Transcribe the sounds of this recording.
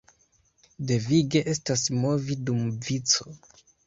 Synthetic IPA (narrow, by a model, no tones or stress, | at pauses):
de̞viɡe̞ʔe̞stasmo̞vidumvit͡so̞